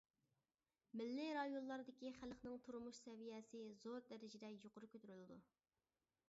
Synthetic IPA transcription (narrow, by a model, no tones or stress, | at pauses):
mɪlːɪɾɑjonlːˠɑɾd̪ɪkʲiχælχnɨŋt̪ʰuɾumuʃsɛvijɛsɪzoɾd̪æɾɪd͡ʒɪd̪ɛjoqʊɾʊkʲʰøt̪yɾylɪd̪u